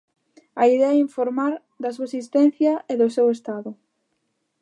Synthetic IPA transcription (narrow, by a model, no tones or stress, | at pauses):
ɐiðɛɐɛiɱfoɾmaɾ | d̪ɐsuɐesist̪ɛn̟θjɐeðʊsewest̪aðʊ